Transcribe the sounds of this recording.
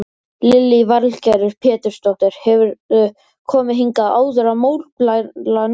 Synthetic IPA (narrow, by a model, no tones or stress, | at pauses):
lɪlːɪvaɾlcaɾʏɾ̥pʰɛːt̪ʏɾ̥st̪ɔht̪ɪɾ̥hɛvʏɾ | kʰɔːmɪɦiŋkaða̰ːwðʏɾamoːwɾplalan